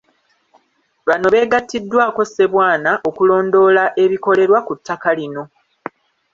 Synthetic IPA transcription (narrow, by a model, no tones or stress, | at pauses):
βano̞βe̞ːɡatːidːwaːko̞sːe̞βwaːnaʔo̞kulo̞ːndo̞ːlaʔe̞βiko̞le̞ɾwakutʰːakalino̞